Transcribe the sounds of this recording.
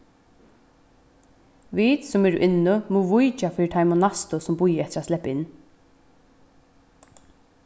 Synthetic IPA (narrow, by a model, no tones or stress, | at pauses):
ʋiːt̪sɔmɛɾʊ̰ʔɪnːʊmuʋʊjt͡ʃafɪːɪt̪ʰajmʊnast̪ʊsʊmbʊjːəɛt̪ɪɾat̪slɛpːɪnː